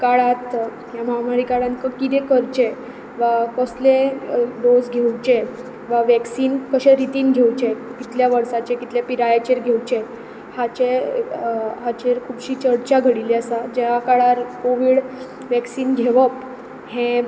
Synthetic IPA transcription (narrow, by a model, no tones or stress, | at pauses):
kaɭat̪ | jaməɦamaɾikaɭãnkəkit̪ekəɾt͡ɕe | ʋakəsleɖod͡zɡʱewt͡ɕe | ʋaʋɛksiːnkəɕɛ̃ɾit̪iːnɡʱewt͡ɕekit̪ljaʋəɾsat͡ɕekit̪ljapiɾajat͡ɕeɾɡʱewt͡ɕe | hat͡ɕe | ɦat͡ɕeɾkʰuːbɕiːt͡ɕəɽt͡ɕaɡʱəɽiliəsad͡ʑeʋakaɭaɾkoʋiːɽ | ʋɛksiːnɡʱeʋəp | hẽ